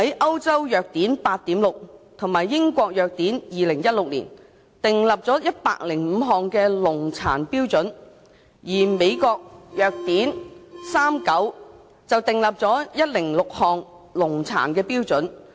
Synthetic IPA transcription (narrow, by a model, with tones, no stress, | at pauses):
hɐ˨˥jʔɐ˥wt͡sɐ˥wjœː˨k̚t̪iː˨˥npaː˧t̚t̪iː˨˥mlʊ˨k̚t̪ʰʊ˨˩ŋmaː˨˩jːɪ˥ŋkʷɔː˧k̚jœː˨˧k̚t̪iː˨˥njiː˨lɪ˨˩ŋjɐ˥t̚lʊ˨k̚lḭː˨˩n | t̪ɪ˨ŋlɐ˨p̚t͡sɔː˨˥jɐ˥t̚pa̰ː˧k̚lɪ˨˩ŋm̩ː˨˧ɦɔː˨˩ŋkɛː˧lʊ˨˩ŋt͡sʰa̰ː˨˩npiː˥wt͡sɵ˨˥n | jiː˨˩me˨˧jkɔː˧k̚jœː˨˧k̚t̪iː˨˥nsaː˥mkɐ˨˥w | t͡sɐ˨wt̪ɪ˨ŋlɐ˨p̚t͡sɔː˨˥jɐ˥t̚lɪ˨˩ŋlʊ˨k̚hɔː˨ŋ | lʊ˨˩ŋt͡sʰa̰ː˨˩nkɛː˧piː˥wt͡sɵ˨˥n